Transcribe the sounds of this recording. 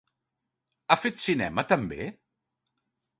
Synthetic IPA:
afet̪sinɛ̰mət̪əmbe

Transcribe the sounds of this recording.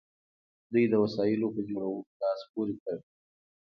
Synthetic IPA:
d̪ujd̪əwasɑjɪlopəd͡ʒoɽawəlɑspoɾikəɾ

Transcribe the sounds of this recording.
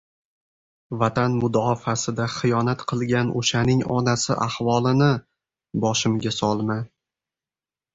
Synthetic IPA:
vat̪anmʊd̪ɒfasɪd̪aχɨjɒnat̪qʰɨlˠɡʲano̰ʃanɪŋɒ̰nasɪʔahvɒlˠɪnɪ | bɒʃɪmɡʲasɒlˠma

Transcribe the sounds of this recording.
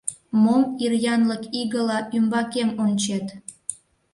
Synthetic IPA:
momirjɑnləkiɣəlɑʔymbɑkemonʲt͡ɕet̪

